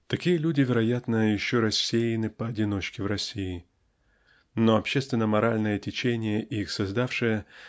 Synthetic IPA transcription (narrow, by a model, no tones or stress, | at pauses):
t̪ɐkʲijəlʲudʲɪvʲɪɾɐjat̪nəjɪɕːoɾɐsʲːejɪnɨpəːdʲɪno̞t͡ɕkʲɪvɾɐsʲiɪ | no̞ɐpɕːest̪vʲɪnːəmɐɾalʲnəjətʲɪt͡ɕenʲɪjəʔixsɐzd̪afʂɨjə